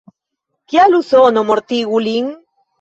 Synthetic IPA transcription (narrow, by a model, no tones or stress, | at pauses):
kealusonomoɾt̪iɣuliŋ